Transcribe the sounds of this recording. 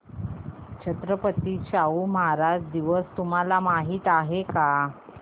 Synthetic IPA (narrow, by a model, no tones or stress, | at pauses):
t͡ɕət̪ɾəpət̪iːɕauːməɦaɾad͡ʑd̪iʋəst̪um̤alamaɦiːt̪aɦeka